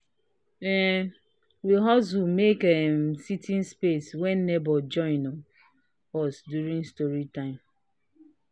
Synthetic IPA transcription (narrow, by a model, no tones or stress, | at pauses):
ɛ | wiɦɔs̬wumekɛmsitʰĩnspeswɛnːebɔd͡ʒɔ̃ɪ̃nɔ | ɔsdjuɾĩŋstɔɹitãɪ̃m